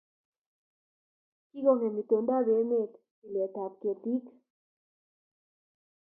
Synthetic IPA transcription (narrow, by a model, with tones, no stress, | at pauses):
ki˦ɣo˦˨ŋe˨mi˨t̪e˨˧nd̪a˦d̪e˧˦ne˦˧˨t̪ | i˨le˨t̪a˨t̪̚ke˨t̪i˦k